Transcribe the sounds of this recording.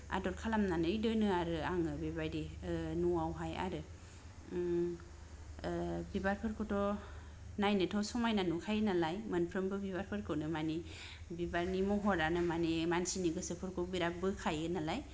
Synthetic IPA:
a̰dɔɾ̚kʰalamnanɯidɯnɯaɾɯaŋɯbibajdinuawɦaja̰ɾɯ | bibaɾpʰɯɾkʰɔtʰɔ | najnɯtʰɔsɔmajnanukʰajɯnalajmənpʰɾɯmbɯbibaɾpʰɯɾkʰɯnɯmani | bibaɾnimɔɦɔɾanɯmanimansiniɡɯsɯpʰɯɾkʰɔbiɾap̚bɯkʰajɯnalaj

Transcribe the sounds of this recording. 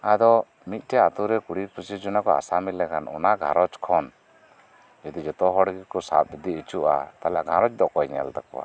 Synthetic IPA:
ad̪ɔ | mit̪̚ˀʈɛat̪uɾɛkuɽipusid͡ʒɔnakɔa̰samilɛkʰanɔ̰naɡʱa̰ɾɔt͡ʃkʰɔn | d͡ʒɔd̪id͡ʒɔt̪ɔɦɔɽɡikɔsa̰p̚bid̪iːt͡ʃuʔa̰t̪alaʔɡʱaɾɔt͡ʃd̪ɔkɔjɲɛ̰ld̪akɔwa̰

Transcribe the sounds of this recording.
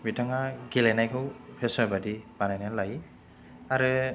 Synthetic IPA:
bitaŋaɡilɛnajkʰɯwpʰɛsɔbadib̥anajnalaɡi | aɾɯ

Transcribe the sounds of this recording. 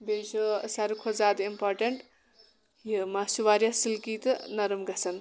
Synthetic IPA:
bed͡ʒosaɾukʰozaːd̪impoɾʈeɳʈ | jəmasuʋaɾjasilkit̪nɐɾɐmɡɐt͡sɐn

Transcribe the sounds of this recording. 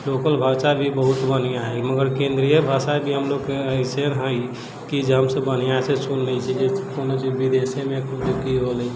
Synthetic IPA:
lokəlbʱasabʱibəɦut̪bənijaɦɛməɡəɾkẽnd̪ɾijəbʱasabʱiɦəmloɡkeəisenɦə̃j | kid͡ʒeɦəmsəbːənijaɦsesunːəit͡ʃʰid͡ʒekonot͡ʃid͡ʒbid̪esemekut͡ʃkiɦoləi

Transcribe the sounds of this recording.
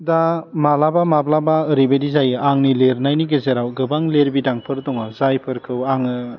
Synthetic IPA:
damalabamablabaɯɾibedizajɯʔaŋnileɾnajniɡezeɾawɡɯbaŋleɾbidaŋpʰɯɾdɔŋɯzajpʰɯɾkʰɯwaŋɯ

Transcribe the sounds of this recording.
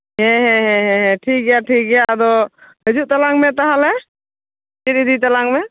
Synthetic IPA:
ɦɛ̃ɦɛ̃ɦɛ̃ɦɛ̃ɦɛ̃ʈʰik̚ɡɛjaʈʰik̚ɡɛjad̪ɔɦɛd͡ʒuʔt̪alaŋmɛt̪aɦalɛ | t͡ʃiɾid̪it̪alaŋmɛ

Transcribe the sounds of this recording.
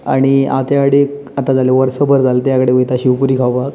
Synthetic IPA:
a̰ɽ̃ia̰t̪jakəɽe | at̪ad͡zaleʋəɾsobəɾd͡zalt̪jakəɽeʋit̪aɕiwpuɾiːkʰawbak

